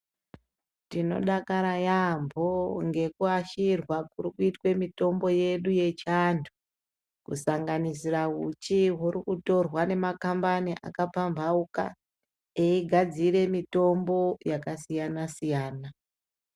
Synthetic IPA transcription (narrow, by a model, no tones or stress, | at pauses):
tino̞̰ɗakaɾajambʱoŋɡe̞kuaʃirwakurikuitwe̞mito̞mbo̞je̞ɗuje̞t͡ʃandʰu̥ | kṵsaŋɡanisiraɦut͡ʃiɦuɾikuto̞rwane̞makambaniʔa̰kapambʱauka̰ | eiɡʱad͡ziɾe̞mito̞mbo̞jakasijanasijaːna